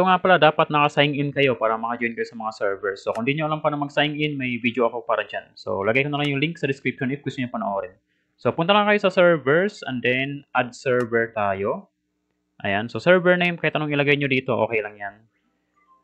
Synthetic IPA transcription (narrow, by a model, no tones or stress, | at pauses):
soŋapɐlad̪aːpɐt̪̚nɐkɐsaɪŋɪnkɐjo̞paːɾɐmɐkɐd͡ʒoɪnkɐjosɐmɐŋasɛɹvɛɹsːokʊnd̪iɲoɐlaŋpaːɾɐmɐɡ̚saɪŋɪnmɐjvidjoʔɐko̞paːɾɐd͡ʒanso̰lɐɡajkɐnɐlaŋjʊŋliŋksɐd̪ɪskɾipʃonɪfkwɛst̪oɲopɐnɐʔoːɾɛn | sopʊnt̪alaŋkɐjosɐsɛɹvɛɹsʔɛ̰nd̪ɛnʔɐd̪̚sɛɹvɛɹt̪aːjo | ʔɐ̰jansosɛɹvɛɹnejmkɐjɛt̪ʔɐnoŋɪlɐɡajɲod̪iːt̪o̞ʔo̰ːkɛjlɐŋjan